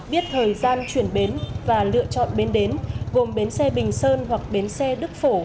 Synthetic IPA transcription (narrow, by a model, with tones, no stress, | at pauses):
ɓi˦˥ət̚t̪ʰəː˨˩jzaː˧nt͡ɕwi˧˩ənɓe˨˦nvaː˨˩lɨ̰˧˨ət͡ɕɔ̰˧˨nɓe˨˦nɗe˨˦nɣo˨˩mɓe˨˦nsɛ˧ɓï˨˩ŋ̟səː˧nɦwa˨˩k̚ɓe˨˦nsɛ˧ɗɨ˦˥k̚fo˧˩